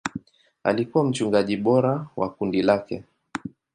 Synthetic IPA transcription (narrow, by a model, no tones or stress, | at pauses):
a̰likuwam̩t͡ʃuŋɡaʄiɓɔɾawa̰kundilakɛ̰